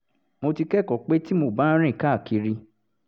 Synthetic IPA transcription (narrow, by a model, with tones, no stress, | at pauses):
mo˧ti˧kɛ˦˨kɔ˨k͡pe˦ti˦mo˧˨ba˦ɾ̃ĩ˦˨ka˦˨ki˧ɾi˧